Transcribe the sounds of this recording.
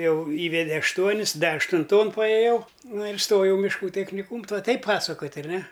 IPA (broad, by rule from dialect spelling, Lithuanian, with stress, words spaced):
ˈjɛʊ ˈiːʋʲɛdʲɛ ɐʃˈtuɔnʲɪs ˈdɐ ɐʃtʊnˈtoːn pɐeːˈjɛʊ ˈnʊ ɪr ˈstoːjɛʊ mʲɪʃˈkuː tʲɛxʲnʲɪˈkuːm tuɔ ˈtɐɪp ˈpɑːsɐkoːtʲ ɐrʲˈnʲɛ